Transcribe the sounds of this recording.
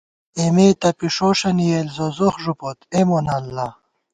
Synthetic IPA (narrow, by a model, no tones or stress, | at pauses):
emeːt̪ɐpiʂoːʂɐnijelzozoχʐupot̪emonalːa